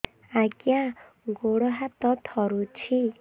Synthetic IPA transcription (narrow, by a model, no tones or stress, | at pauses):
aɡjã | ɡoɽɔɦat̪ɔt̪ʰʌɾut͡sʰi